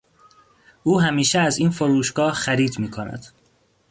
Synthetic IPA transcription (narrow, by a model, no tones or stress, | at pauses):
ʔuːɦæmiːʃeæziːnfoɾuːʃɡɒːhxæɾiːd̪miːkʰonæ̰d̪̥